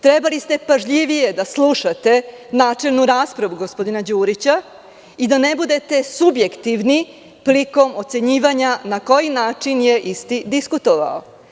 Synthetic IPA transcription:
t̪ɾe̞balist̪e̞paʒʎiʋije̞d̪aslˠuʃat̪e̞ | naːt͡ʃe̞lnuɾaːspɾaʋuɡo̞spo̞d̪inad͡ʑuːɾit͡ɕa | id̪ane̞bud̪e̞t̪e̞subje̞kt̪iʋni | pliko̞mo̞t̪se̞ɲiːʋaɲanako̞jinaːt͡ʂinje̞ʔist̪id̪iskut̪oʋa̰o

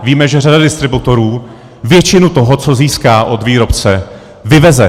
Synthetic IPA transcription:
viːmɛʒɛradadɪst̪ɾɪbut̪o̞ɾuː | vjɛt͡ʃɪnut̪oɦo̞t͡so̞ziːskaːʔod̪viːɾo̞pt͡sɛ | vɪvɛzɛ

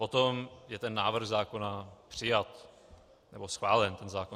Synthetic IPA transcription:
pot̪omjɛt̪ɛnːaːvr̩ɣzaːko̞napr̝̥ɪjat̪ | nɛbosxvaːlɛnt̪ɛnzaːko

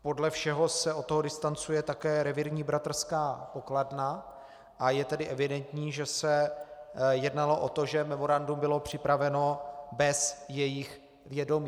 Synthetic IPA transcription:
po̞dlɛfʃɛɦo̞sɛot̪ːoɦodɪst̪ant͡sujɛt̪akɛːɾɛvɪɾɲiːbɾat̪r̩skaːpo̞kladna | ʔajɛt̪ɛdɪʔɛvɪdɛnt̪ɲiːʒɛsɛ | jɛdnalo̞ʔo̞t̪o̞ʒɛmɛmo̞ɾandumbɪlo̞pr̝̥ɪpɾavɛno̞bɛsjɛjɪx | vjɛdo̞miː

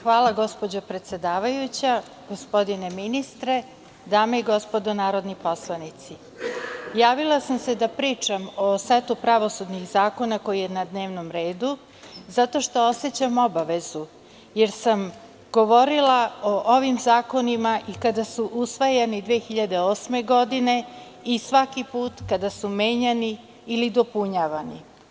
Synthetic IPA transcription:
xʋaːlˠaɡo̞spo̞d͡ʑopɾet̪se̞d̪aːʋajut͡ɕa | ɡ̥o̞spo̞d̪ineminist̪ɾe̞ | d̪aːmeiɡo̞spod̪onaːɾo̞d̪nipo̞slˠanit̪si | jaːʋilˠasamsed̪apɾiːt͡ʂamo̞set̪upɾaʋo̞sud̪nixzaːko̞nako̞jijenad̪ne̞ːʋnomɾe̞ːd̪u | zat̪o̞ʃt̪o̞o̞set͡ɕamo̞baʋe̞zu | jeɾsam | ɡ̥o̞ʋo̞ɾilˠaoʔo̞ʋimzaːko̞nimaʔikad̪asuʔusʋajanid̪ʋeːxiʎad̪e̞oːsme̞ɡo̞d̪ine̞ | isʋakipuːt̪kad̪asumeːɲaniː | lid̪o̞puɲaʋani

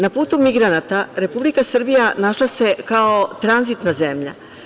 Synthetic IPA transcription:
napuːt̪umiɡɾanat̪aɾe̞publikasr̩bijanaʃlase̞kaot̪ɾanzit̪nazemʎa̰

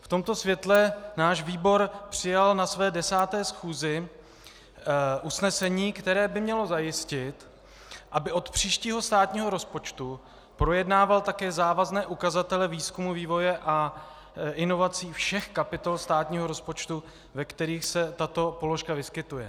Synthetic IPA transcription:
ft̪o̞mt̪o̞svjɛt̪lɛnaːʃviːbo̞ɾpr̝̥ɪjalnasvɛːdɛsaːt̪ɛːsxuːzɪ | ʔusnɛsɛɲiːkt̪ɛɾɛːbɪmɲɛlo̞zajɪscɪt̪ | ʔabɪʔo̞t̪pr̝̥iːʃciːɦo̞st̪aːt̪ɲiːɦo̞ɾo̞spo̞t͡ʃt̪u | pɾo̞jɛdnaːvalt̪akɛːzaːvaznɛːʔukazat̪ɛlɛviːskumuviːvo̞jɛʔa | ʔɪno̞vat͡siːfʃɛxkapɪt̪o̞lst̪aːt̪ɲiːɦo̞ɾo̞spo̞t͡ʃt̪u | vɛkt̪ɛɾiːxsɛt̪at̪o̞po̞lo̞ʃkavɪskɪt̪ujɛ

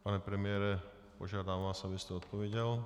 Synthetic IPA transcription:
paɲɛpɾɛmɪɛɾɛ | pɔʒɪad̪aːmʋaːsabiscɛɔt̪̚pɔʋɛɟɛl

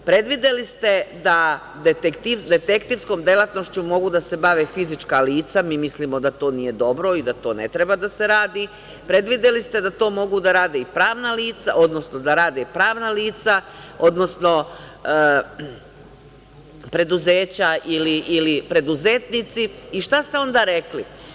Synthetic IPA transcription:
pɾe̞d̪ʋid̪elist̪e̞d̪a | d̪et̪ekt̪id̪e̞t̪e̞kt̪iːʋsko̞md̪e̞lˠat̪no̞ʃt͡ɕumo̞ɡud̪ase̞baʋefizit͡ʂkaliːt̪samiːmisliːmo̞d̪at̪o̞ːnije̞d̪o̞bɾo̞id̪at̪o̞ːne̞̰t̪ɾe̞bad̪ase̞ɾaːd̪i | pɾe̞d̪ʋid̪elist̪e̞d̪at̪o̞ːmo̞ɡud̪aɾaːd̪eipɾaːʋnaliːt̪sa̰ʔo̞d̪nosno̞d̪aɾaːd̪epɾaːʋnaliːt̪sao̞d̪no̞sno̞ | pɾe̞d̪uzeːt͡ɕaʔiliʔilipɾe̞d̪uzeːt̪nit̪siːʃt̪ast̪e̞o̞nd̪aɾe̞kli

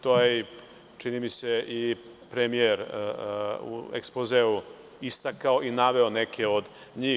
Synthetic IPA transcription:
t̪oje | t͡ʃinimisei | pɾemieɾ | ṵḛkspozeu | ist̪akaoʔinaʋe̞onekʰeod̪ | ɲiː

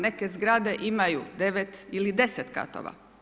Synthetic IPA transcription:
ne̞kezɡɾad̪e̞ʔimajud̪e̞ʋet̪ilid̪e̞set̪ka̰t̪o̰ʋa̰

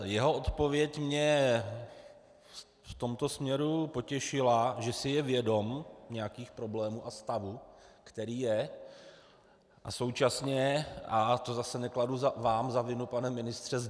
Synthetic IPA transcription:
jɛɦo̞ʔo̞t̪po̞vjɛcmɲɛ | ft̪o̞mt̪o̞smɲɛɾupo̞cɛʃɪlaʒɛsɪjɛvjɛdo̞mɲɛjakiːxpɾo̞blɛːmuːʔast̪avukt̪ɛɾiːjɛ | ʔa̰so̞wt͡ʃasɲɛʔat̪o̞zasɛnɛkladuavaːmzavɪnupanɛmɪnɪst̪r̝̥ɛz

